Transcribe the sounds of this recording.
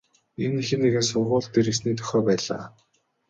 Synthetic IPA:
enːixɘ̆nːeɣɘ̆ns̬ʊrʁʊːɮt̪ʰːeɾes̬niːt̪ʰœ̥xʲɔːpæːɮa̰ː

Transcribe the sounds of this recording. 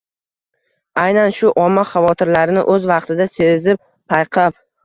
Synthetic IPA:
ajnanʃʊʔɒmːaχɑvɒt̪ʰɪɾlaɾɪnɪ̰ʔɵzvɑqt̪ʰɪd̪ase̞zɪp̚ | pʰajqʰɑp̚

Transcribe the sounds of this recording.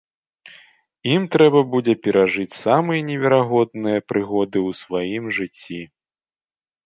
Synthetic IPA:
imt̪ɾɛbɐbud͡zʲɛpʲɛɾaʐɨt͡sʲsamɨjɐnʲɛvʲɛɾaɣɔd̪nɨjɐpɾɨɣɔd̪ɨwsvajimʐɨt͡sʲːi

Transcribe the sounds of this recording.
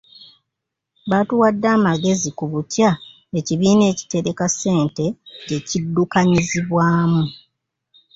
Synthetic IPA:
βatuwadːaːmaɡe̞zikuβutja | eciβiːne̞ːci̥te̞ɾe̞kase̞ːnte̞ɟe̞cidːukaɲiziβwaːmu

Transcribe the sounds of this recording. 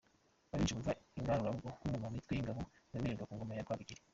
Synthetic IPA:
βaβit͡ʃekuvaiŋɡaɾuɾauɡokuŋɡomamitwejiŋɡaβoaβiɾiːŋɡakuːŋɡomajakwaːiɡiɾe

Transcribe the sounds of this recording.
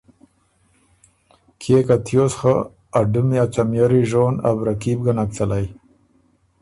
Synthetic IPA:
kʰeːkat̪ʰjosxa | aɖumiat͡ʃamjaɾiʒoːna̰bɾakib̚ɡanak̚t͡salaj

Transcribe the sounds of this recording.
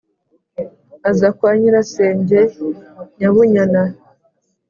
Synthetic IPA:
azakwaːɲiɾase̞ːɲɟeɲaβuɲana

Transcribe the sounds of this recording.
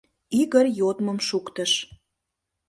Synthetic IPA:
iɣərjot̪mə̆mʃukt̪əʃ

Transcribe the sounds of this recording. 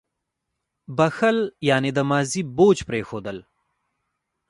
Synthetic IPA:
bɐxəljaːned̪əmɑːziboːt͡ʃpɾexod̪əl

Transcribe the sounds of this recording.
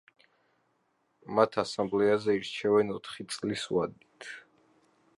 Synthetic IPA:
mat̪ʰasamblɛazɛiɾt͡ʃʰɛvɛnɔt̪ʰχit̪sʼliswad̪̚nit̪ʰ

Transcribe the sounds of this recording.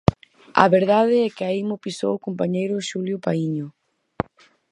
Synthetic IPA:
a̰βeɾðaðɪɛkɪaimʊpiso̰wʊkompaɲejɾʊʃuljʊpaiɲʊ

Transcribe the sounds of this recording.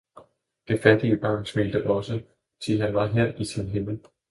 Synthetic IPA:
d̥e̝fæd̥iəb̥ɑ̈ːnsmeld̥əʔɒ̽sə | t͡sʰiɦænʋɑ̈ɦeɐ̰ʔit͡sʰelɦe̝ml̩

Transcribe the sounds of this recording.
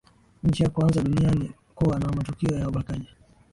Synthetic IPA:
ɲ̩t͡ʃijakuanzaɗunianim̩kuwanaamatukiɔjauɓakaʄa

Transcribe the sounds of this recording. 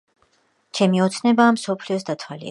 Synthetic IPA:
t͡ʃʰɛmiɔt̪sʰnɛbaːmsɔpʰliɔsd̪at̪ʰwalḭ

